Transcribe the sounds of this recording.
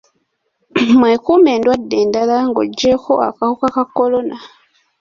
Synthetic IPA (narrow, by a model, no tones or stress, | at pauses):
mwekuːme̞ːndwadːeːndalaŋɡo̰ɟːeko̞̰a̰kahokakakːo̞lo̞na